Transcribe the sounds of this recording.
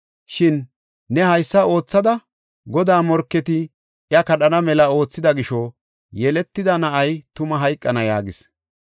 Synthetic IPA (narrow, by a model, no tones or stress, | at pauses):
ʃɪnː | ɛhɐjsːɐo̞ːt͡sːɐd̪ɐ | ɡɔd̪aːmɔɾkːɛt̪ɪ | ɪjɐkɐɗɐnɐmɛlɐo̞ːt͡sːɪd̪ɐɡɪʃɔ | jɛlɛt̪ːɪd̪ɐnɐʔɐjt̪ʊmɐɦɐjkʼːɐnɐja̰ːɡɪs